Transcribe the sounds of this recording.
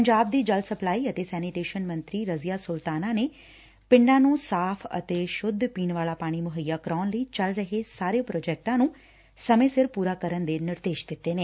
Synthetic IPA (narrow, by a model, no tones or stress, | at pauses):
pəɲd͡ʒaːb̚d̪iːd͡ʒəlsəplaːiːət̪eːsɛːnɪʈeːʃənmə̃nt̪ɾiːɾəzɪjaːsʊlt̪aːnaːneː | pɪ̃ɳɖãːnũːsaːpʰə̰t̪eːʃʊd̪ʱpiːnʋaːlaːpaːɽ̃iːmʊɦəjːaːkɾɔːnləiːt͡ʃəlɾəɦesaːɾeːpɾoːd͡ʒɛːk̚ʈãːnũː | səmẽːsɪɾpuːɾaːkəɾənd̪eːnɪɾd̪eːʃd̪ɪt̪ːeːneː